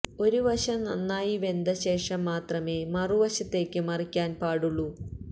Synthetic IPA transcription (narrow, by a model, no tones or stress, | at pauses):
o̞ɾuʋɐɕɐmnɐnːaːjiʋe̞nd̪ɐɕe̞ːʂɐmːaːt̪rɐme̞ːmɐruʋɐɕɐt̪ːe̞ːkʲːɨmɐrikʲːaːnpaːɽuɭːu